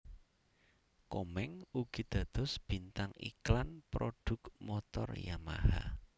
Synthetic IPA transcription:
komɛŋuɡ̥i̤d̪̥ä̤d̪̥ɔ̤sb̥int̪aŋḭklanpɾoɖ̪̥ʊ̤kmɔt̪ɔ̰rjama̰ha̰

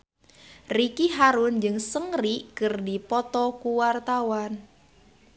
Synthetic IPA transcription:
rikiɦaɾʊnd͡ʒɨŋsəŋrikɨrdipɔt̪ɔkuwart̪awan

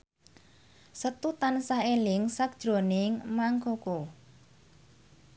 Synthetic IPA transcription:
sət̪ut̪ansaelɪŋsak̚d̥ʒ̥ɾo̤nɪŋmaŋkoko

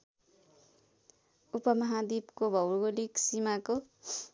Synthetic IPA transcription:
upʌmʌɦad̪ibkobʱʌwɡoliksimako

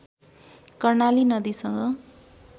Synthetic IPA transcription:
kʌrnalinʌd̪isʌŋɡʌ

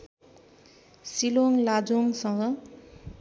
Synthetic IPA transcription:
siloŋlad͡zoŋsʌŋɡʌ

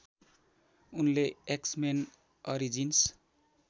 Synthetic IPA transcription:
unleeksmen | ʌɾid͡zins

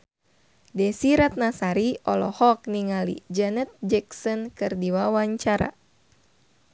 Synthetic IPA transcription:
dɛsiɾat̪̚nasaɾiɔlɔhɔk̚niŋalḭd͡ʒɛnɛt̪̚d͡ʒɛksɔnkɨrdiwawaɲt͡ʃaɾa̰

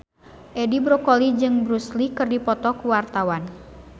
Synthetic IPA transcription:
ʔɛdibɾɔkɔlid͡ʒɨŋbɾuslikɨrdipɔt̪ɔkuwart̪awan

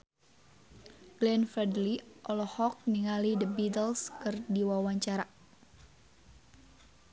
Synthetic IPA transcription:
ɡ̥lɛnfɛdliʔɔlɔhɔk̚niŋalidəbidəlskɨrdiwawaɲt͡ʃaɾa

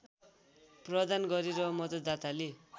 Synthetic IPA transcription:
prʌd̪anɡʌɾiɾʌmʌd̪ʌd̪at̪ale

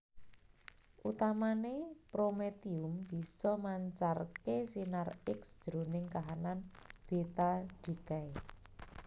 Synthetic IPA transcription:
ʔut̪amanepɾomet̪iʊmb̥i̤sɔmaɲt͡ʃarkesinarɪksd͡ʒ̥ɾo̤nɪŋkaɦanan | b̥et̪aɖ̥ikae

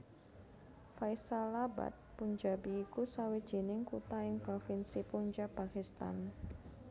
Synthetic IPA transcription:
faisalaba̰t̪̚puɲd͡ʒabiːkusawi̥ʒ̥i̤nɪŋkut̪aɪŋpɾofɪnsipuɲd͡ʒapakist̪a̰n

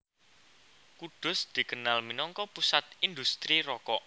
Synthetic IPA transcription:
kuɖ̪̥ʊ̤sd̪̥i̤kənalminɔŋkɔpusat̪̚ind̪ust̪ɾiɾɔkɔʔ

